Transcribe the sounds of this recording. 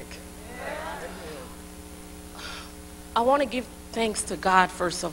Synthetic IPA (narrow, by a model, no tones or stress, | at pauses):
k | aɪwɑ̃ñɨɡɪv̥ | θæ̃ŋkstʰɨɡɑd̥fə˞sʌ